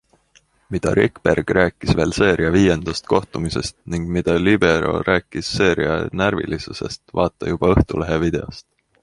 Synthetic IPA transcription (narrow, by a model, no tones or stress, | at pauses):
mid̪̥ɑ̰ɾʔḭkːb̥erɡ̥ræːkːˑisve̞ːlse̞ːɾiɑviːje̞nd̪̥ɑst̪̚ko̞ht̪umise̞st̪niŋɡ̥mid̪̥ɑlib̥e̞ɾo̞̰ɾʔæːkːisːe̞ːɾiɑnæɾvḭlisuse̞̰st̪vɑːt̪ːˑɑjub̥ɑɤht̪ule̞ɦevid̪̥e̞o̰st̪